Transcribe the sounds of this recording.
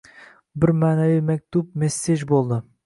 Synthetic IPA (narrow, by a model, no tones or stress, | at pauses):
bɪɾmaːnɛwijmɛk̚ʲt̪up̚mesːed͡ʒbolˠd̪ɨ